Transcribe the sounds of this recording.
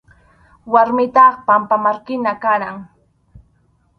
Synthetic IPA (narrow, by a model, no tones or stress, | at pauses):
waɾmɪt̪ɑχpampamaɾkɪnakaɾaŋ